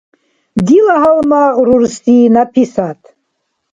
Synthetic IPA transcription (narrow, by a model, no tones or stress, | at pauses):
d̪ilaɦalmaːʁɾuɾsiːnapʰisat̪ʰ